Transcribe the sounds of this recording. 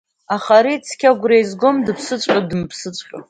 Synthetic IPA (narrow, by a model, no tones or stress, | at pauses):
aχaɾit͡sʰkʲaɡʷrejzɡomdɨpʰsɨt͡ʃʷʼadɨmpʰsɨt͡sʷʼχʲʼa